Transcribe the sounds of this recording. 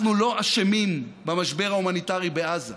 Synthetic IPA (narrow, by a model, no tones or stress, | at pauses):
nulo̞ʔaʃemimbamaʃbeʁaumanitaʁibeaza̰